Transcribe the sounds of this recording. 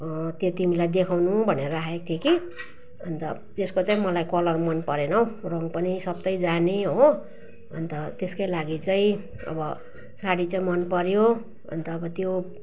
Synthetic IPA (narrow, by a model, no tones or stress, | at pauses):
t̪jot̪imilajd̪ekʰawnubʱʌneɾʌaet̪ʰjeki | ʌnt̪ʌ̰ | d͡zeskot͡saĩmʌlajkʌlʌrmʌnpʌɾenʌw̃roŋpʌnisʌb̚t̪ʌjd͡zaneɦo | ʌ̰nt̪ʌt̪eskajlaɡit͡saĩ | ʌ̰bʌ | saɽit͡saĩmʌnpʌɾjo | ʌ̰nt̪ʌːbʌt̪jo